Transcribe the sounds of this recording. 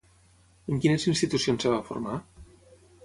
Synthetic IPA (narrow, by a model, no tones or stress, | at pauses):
eŋkinesinst̪it̪usionseβ̞afo̰ɾma